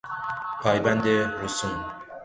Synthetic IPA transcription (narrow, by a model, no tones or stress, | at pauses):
pʰɑːjband̪eɾusum